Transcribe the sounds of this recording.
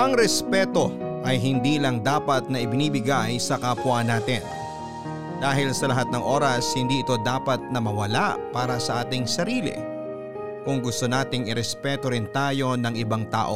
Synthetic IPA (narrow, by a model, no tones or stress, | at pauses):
ʔɐŋɾɛspɛːt̪o̞ʔɐjɦɪnd̪iːlɐŋd̪aːpɐt̪̚nɐʔɪbɪniːbɪɡajsɐkɐpʊwanaːt̪ɪn | d̪aːɦɪlsɐlɐɦat̪̚nɐŋʔo̞ːɾɐshɪnd̪iːʔɪt̪o̞d̪aːpɐt̪̚nɐmɐwɐlapaːɾɐsɐʔaːt̪ɪŋsɐɾiːlɪ̰ | kʊŋɡʊst̪o̞naːt̪ɪŋɪɾɛspɛːt̪o̞ɾɪnt̪aːjo̞nɐŋɪbaŋt̪a̰ːʔo